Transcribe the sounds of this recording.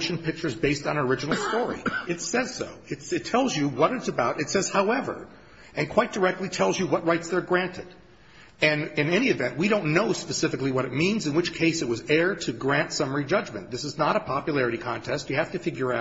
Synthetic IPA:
ʃn̩pʰɪk̚t͡ʃə˞zbeɪstn̩ə˞ɪd͡ʒɨn̩l̩ˠstɔɹḭɨtsɛz̥so̰ʊɨtsɨtʰɛlˠzjɨwʌɾɨtsɨbaʊɾɨtsɛz̥haʊɛvə̰˞ | ɨ̃nkʰw̥aɪt̚d̥ə˞ɛk̚tˡlitʰɛlˠzjɨwʌt̚ɹaɪtsðə˞ɡɹæ̃ntɨɾ | ɨ̃nɨ̃nɛñiɨvɛ̰̃nʔwiɾõʊ̃nːoʊspɨsɪfɨkliwʌɾɨt̚mĩnzɨ̃nwɨt͡ʃkʰeɪsɨt̚wʌzɛɹɾɨɡɹæ̃ntsʌmə˞id͡ʒʌd͡ʒmɨ̰̃nðɪsɨznəɾəpʰɑpjɨlɛɹɨɾikʰɑ̃ntʰɛst͡ʃjɨhæftɨfɪɡjə˞aʊ

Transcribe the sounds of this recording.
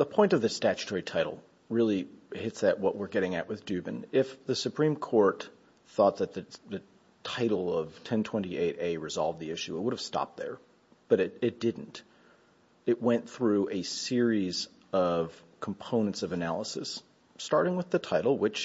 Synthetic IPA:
ðəpʰɔ̃ɪ̃ntʌvðɨstæt͡ʃɨ̥tʰɔɹitʰaɪɾl̩ˠ | ɹɪlˠihɪtsɨʔ̚wʌʔ̚wəɹɡɛɾɪ̃ŋɨ̰ʔ̚wɨðdʉbɨ̰̃nɪfðɨsɨpʰɹ̥ĩmkʰɔɹt̪̚ | θɔt̪̚ðɨt̪̚ðɨðɨ | tʰaɪɾl̩ˠʌv̥tʰɛ̃ntʰw̥ɛ̃ñtiʔeɪɾeɪɹɨzɑlˠvd̪ðiɪʃʉət̚wʊɾɨv̥stɑ̰p̚t̪̚ðə̰˞ | b̥ʌɾɨɾɨt̚d̥ɪdⁿn̩t | ɨt̚wɛ̃nθɹʉʔɨsɪɹiz | ʌv̥ | kʰm̩pʰõʊ̃nɨ̃ntsʌvɨnælˠəsɨ̰s | tɑɹɾɪ̃ŋwɨðɨtʰaɪɾl̩ˠwɪt͡ʃ

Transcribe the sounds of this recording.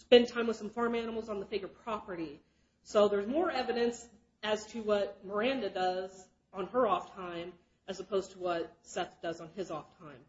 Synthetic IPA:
spɛ̃ntʰãɪ̃mwɨð̥sʌ̃ɱfɑɹmænəm̩l̩ˠzn̩ðəfɪɡjə˞pʰɹ̥ɑpə˞ɾi | soʊðə˞zmɔɹɛvɨɾɨ̃ns | ɨz̥tʰɨwʌt̚mə˞æ̃ndɨdʌz | n̩ə˞ɔftʰãɪ̃m | ɨzəpʰoʊz̥tʰəwʌt̚sɛθd̥ʌzn̩ɪzɔftʰãɪ̃m

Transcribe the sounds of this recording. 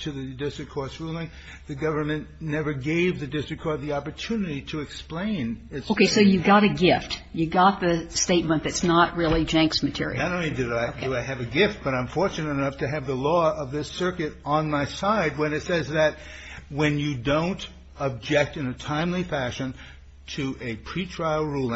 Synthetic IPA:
tʰɨðɨdɪstɹ̥ɨkʰɔɹsɹulˠɪ̃ŋ | ðɨɡʌvə˞mɨ̃nːɛvə˞ɡeɪvðɨdɪstɹ̥ɨkʰɔɹðiɑpə˞tʰʉnɨɾiɾɨːksplẽɪ̃nɪtsoʊkʰeɪsoʊjɨɡɑɾɨɡɪftjɨɡɑt̪̚ðɨsteɪt̚mə̃nðɨtsnət̚ɹɪlˠid͡ʒæ̃ŋksmɨtʰɪ̰ɹḭnɨɾõʊ̃nlidɨɾaɪdɨaɪɨvɨɡɪft̚b̥ʌɾaɪ̃ɱfɔɹt͡ʃɨnɨɾɨnʌftʰɨɨvðəlɔʌvðɪsɜ˞kɨɾə̃nmaɪsaɪd̚wɨ̃nɨtsɛzðɨt̚ | wɨ̃njɨdõʊ̃nt | əb̚d͡ʒɛk̚tɨ̃nɨtʰãɪ̃mlifæʃɨ̃n | tʰɨʔɨpʰɹ̥itʰɹ̥aɪl̩ˠɹulˠɪ̃

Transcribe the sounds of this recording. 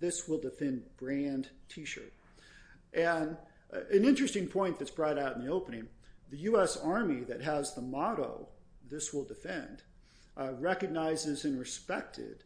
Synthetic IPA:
ðɪswəlˠdɨfɛ̃nbɹæ̃ntʰiʃə̰˞ɾ̚ | ʔɨ̃n | ɨ̃nɪ̃nt͡ʃɹ̥ɨstɪ̃ŋpʰɔ̃ɪ̃nðɨtsb̥ɹɔɾaʊɾn̩ðioʊpə̃nɪ̃ŋðɨjʉɛsɑɹmiðɨt̚ɦəzðəmɑɾo̰ʊðɪswəlˠdɨfɛ̃nd | ɹɛkɨɡ̚naɪzɨzɨ̃nɹɨspɛk̚tʰɪ̰d̥

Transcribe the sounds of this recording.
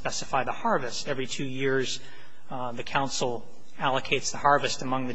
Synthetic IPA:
pɛsɨfaɪðəhɑɹvɨstɛvɹitʰʉjɪɹz̥ | ðɨkʰãʊ̃nsl̩ˠ | ælˠəkʰeɪtsðəhɑɹvɨstəmʌ̃ŋðɨ

